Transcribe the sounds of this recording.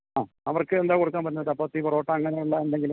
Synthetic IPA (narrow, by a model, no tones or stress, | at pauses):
aː | ɐʋɐrkɨend̪aːkoɽuk̬ːaːnmpɐɾunːɐðɐpːɐt̪ːipɐroːʈːɐɐŋːɐneuɭːɐend̪eŋɡil